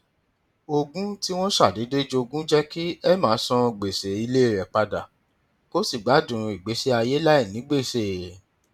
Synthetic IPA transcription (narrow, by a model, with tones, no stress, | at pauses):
o˧ɡũ˦ti˦w̃ɔ̃˦ʃa˦˨de˨˦de˦d͡ʒo˧ɡũ˦d͡ʒɛ˦ki˦ɛ˦mãː˨˦sɔ̃˧˨ɡ͡be˨se˨i˧le˦˨ɾɛ˨k͡pa˧da˨ | ko˦si˦˨ɡ͡ba˨˦dũ˨ɾ̃i˨ɡ͡be˨˦se˦a˧je˦la˦i˦˨nĩ˨˦ɡ͡be˦˨se˨